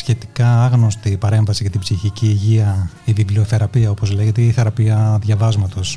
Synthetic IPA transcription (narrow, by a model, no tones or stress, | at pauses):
sçe̞t̪i̥kɐɐɣnost̪ipɐɾe̞ɱvɐsiʝɐt̪ibziçiciːʝiɐ | iviblioθe̞ɾɐpiɐo̞po̞zle̞ʝet̪eiθe̞ɾɐpiɐðʝɐvɐzmɐt̪o̞s